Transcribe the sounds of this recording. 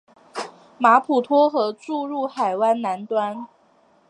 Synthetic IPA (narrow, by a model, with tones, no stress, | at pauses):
ma˧˥pʰu˨˩t̪ʰwɔ˥xɤ˧˥ʈ͡ʂu˥˧ɻu˥˩xa˨˩ɪwa˥ɪna˧˥nt̪wa˥n